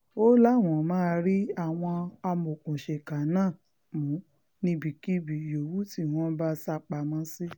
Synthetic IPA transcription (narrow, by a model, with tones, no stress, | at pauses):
o˦lã˦˨ɔ̃˨mãː˦˧ɾi˦a˦˨w̃ɔ̃˧a˧mo˨kũ˨ʃe˨ka˨nãː˦˨ | mũ˨˦ | nĩ˧bi˨ki˦bi˨jo˨wu˦ti˦˨w̃ɔ̃˨˦ba˦sa˦k͡pa˧˨mɔ̃˦si˦